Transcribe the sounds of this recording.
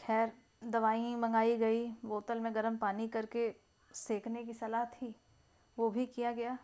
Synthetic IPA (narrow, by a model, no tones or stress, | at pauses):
kʰɛːɾ | d̪ɐʋaːĩbɐ̃ŋɡaːiɡɐiboːt̪əlmẽɡɐɾəmpaːnikɐɾke | seːkʰnekisɐlaːɦt̪ʰiː | ʋobʱikijaɡɐjaː